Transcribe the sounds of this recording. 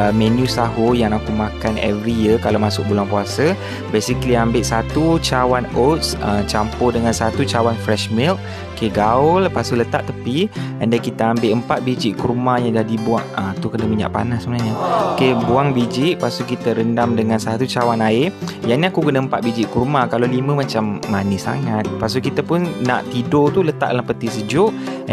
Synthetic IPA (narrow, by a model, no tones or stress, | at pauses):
əmɛ̃njũsaɦojaŋakumakanɛ̰vɾijəkalawmasʊk̚bulaŋpuasə | besikliambɪʔsat̪ut͡ʃawanot̪sət͡ʃampodəŋãnsat̪ut͡ʃawanfɾɛʃmilk̚ | keɡaʊlpasulət̪a̰ʔt̪əpiandakit̪əambeʔəmpat̪̚bid͡ʒiʔkəɾumajaŋdahdibuaʔəmt̪ukənəmiɲa̰ʔpa̰nasəbənaɲəokebuaŋbid͡ʒiʔpasukit̪əɾəndamdəŋansat̪ut͡ʃawanaɪjaniakukənəəmpat̪̚bid͡ʒiʔkəɾumakalawlimə̃mat͡ʃamːanɪsa̰ŋat̪̚pasokit̪əpʊnːa̰ʔt̪idot̪ulət̪a̰ʔdəlampət̪isəd͡ʒʊʔ